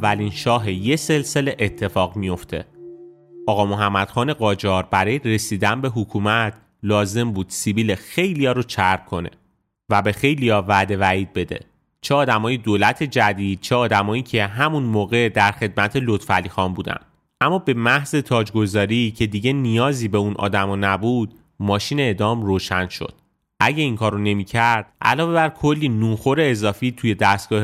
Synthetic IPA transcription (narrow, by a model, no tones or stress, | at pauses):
ævːælinʃɒːɦeje̞se̞lse̞leʔet̪ʰːe̞fɒːɣmijo̞ft̪ʰe̞̰ | ɒːɣɒːmo̞ɦæmːæd̪̥xɒːne̞ɣɒːd͡ʒɒːɾbæɾɒːjere̞siːd̪ænbe̞ɦukʰuːmæt̪ʰ | lɒːze̞mbuːd̪̥sibiːle̞xe̞jlijɒːɾot͡ʃʰæɾpkʰo̞ne̞̰ | væbe̞xe̞jlijɒvæd̪e̞væiːd̪̚be̞d̪e̞̰ | t͡ʃʰeɒːd̪æmɒːjed̪oːlæt̪ʰe̞d͡ʒæd̪iːd̪̥̚t͡ʃʰeɒːd̪æmɒːiːcʰe̞ɦæmunmoːɣe̞d̪æɾxe̞d̪̚mæt̪ʰe̞lot̪fælːiːxɒːmbuːd̪æ̰nd̪ | ʔæmːɒːbe̞mæhze̞t̪ʰɒːd͡ʒɡo̞zɒːɾicʰe̞d̪iɟe̞nijɒːziːbe̞unʔɒ̰ːd̪æmɒnæbud̪ | mɒːʃiːneeːd̪ɒːmroːʃænʃo̞̰d̪̥̚ | ʔæɟe̞iŋkʰɒːɾone̞micʰæɾd̪̥ʔæ̰lɒːve̞bæɾkʰolːinuːnxo̞ɾe̞ːzɒːfiːt̪ʰuje̞d̪æst̪ɡ̥ɒːh